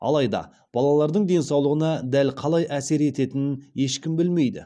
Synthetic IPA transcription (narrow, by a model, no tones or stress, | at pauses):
ɑ̰lˠɑjd̪ɑ̰ | b̥ɑlˠɑlˠɑɾd̪əɴd̪e̞nsɑwlˠəʁənɑd̪ælqʰɑlˠɑjʔæse̞ɾe̞t̪e̞t̪ɪnnje̞ʃkʲɪmbɪlme̞jd̪ɪ̰